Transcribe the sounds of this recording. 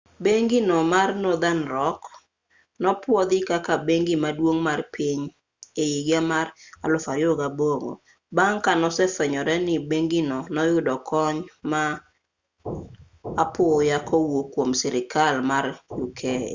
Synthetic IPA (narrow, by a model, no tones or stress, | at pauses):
beŋɡinɔmarnɔd̪anɾɔk | nɔpwɔd̪ɪkakabeŋɡimadwoŋmarpiɲ | ejiɡamara̰lʊfaɾjoɡaboŋo̰ | baŋkanɔsɛfɛɲɔɾɛnɪbeŋɡinɔnɔjʊdɔkʰɔɲma | pojakʰɔwokwomsɛɾɪkalmarjʊkʰɛ̰